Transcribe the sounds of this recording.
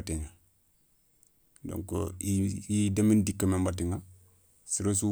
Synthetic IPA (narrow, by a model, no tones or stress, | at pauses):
ateɲa | do̰ŋko̰iidamindikːamembatiŋa | siɾosu